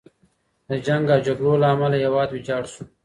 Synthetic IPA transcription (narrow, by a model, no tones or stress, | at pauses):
d̪əd͡ʒaŋɡad͡ʒaɡɾolaːmalajawɑːd̪wid͡ʒɑːɽsu